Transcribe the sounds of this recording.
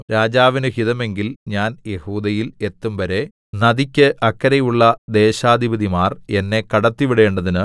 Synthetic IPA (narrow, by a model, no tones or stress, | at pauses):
ɾaːd͡ʑaːʋinɨhiðɐme̞ŋɡilɲaːnje̞huːd̪ɐjile̞t̪ːumʋɐɾe̞ | nɐðikʲːɨʔɐkːɐɾɐjuɭːɐd̪e̞ːɕaːd̪ʱibɐðimaːre̞nːe̞kɐɽɐt̪ːiʋiɽe̞ːɳɖɐðinɨ